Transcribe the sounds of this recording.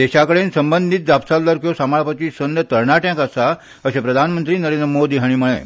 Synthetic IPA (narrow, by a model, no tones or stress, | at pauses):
d̪eɕakəɽeːnsəmbənd̪ʱiːt̪̚d͡zapsalləɾkjosamaɭpət̪iːsənd̪ət̪əɾɳaʈjãkasa | əɕepɾəd̪ʱanmənt̪ɾiːnəɾenɾəmod̪iːɦaɽ̃iːməɭ̃ḛ